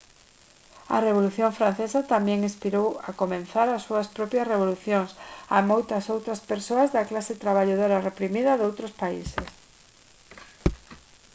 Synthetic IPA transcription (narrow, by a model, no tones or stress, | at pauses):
ɐ̰reβ̞oluθjoɱfɾan̟θesat̪amjɛŋispiɾowakomẽn̟θaɾasːuɐspɾɔpjɐsreβ̞oluθjoŋsa̰mojt̪ɐsowt̪ɾaspeɾsoazðɐklaset̪ɾaβ̞aʎoð̞oɾarepɾimiðɐðowt̪ɾospaises